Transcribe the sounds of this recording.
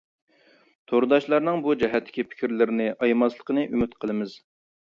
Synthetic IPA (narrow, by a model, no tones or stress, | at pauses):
t̪ʰoɾd̪ɑʃlˠɑɾnɨŋbud͡ʒɛɦɛt̪ʰːɪ̥kʲipʰɪ̥kʲiɾlɪɾɪnɪʔɑjmɑslˠəqənɨʔymɪt̪qʰəlˠɨmɨz̥